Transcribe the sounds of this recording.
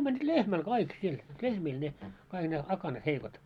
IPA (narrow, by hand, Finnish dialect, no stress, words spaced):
mænʲːit lehmæl kɑik siel lehmiːl ne kɑiɡ̊ ne ɑkɑnɑt heikot